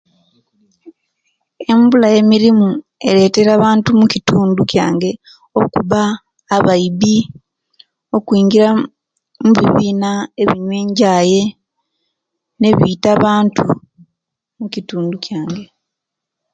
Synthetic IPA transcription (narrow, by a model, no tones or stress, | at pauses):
e̞mbulaje̞miɾimu | e̞̰ɾe̞ːte̞ɾaːβaːntumucituːnducja̰ːŋɡe̞ | o̞kuβaː | βaiβi | o̞kwiːŋɡiɾa | muβiβiːnae̞βiɲwe̞ːɲɟaːje̞ | ne̞βiːtaβaːntu | mucituːnducjaːŋɡe̞